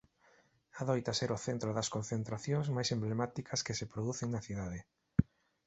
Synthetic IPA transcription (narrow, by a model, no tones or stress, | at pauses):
aðɔjt̪ɐsɛɾʊθent̪ɾoðɐskonθent̪ɾaθjõŋzmajsemblemat̪ikʰɐskɪsepɾoðuθeŋnɐθiðaðe